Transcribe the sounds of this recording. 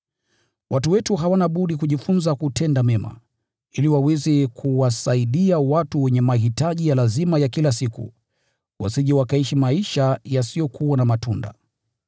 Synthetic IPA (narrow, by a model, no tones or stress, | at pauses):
wʔatuwɛtuɦawanaɓuɗikuʄifunzakutɛndamɛma̰ | iliwawɛzikʰuwasaiɗiawatuwɛɲɛmaɦitaʄijalazimajakilasikṵ | wʔa̰siʄɛwakaiʃimaiʃajasijɔkʰuwanamatunda̰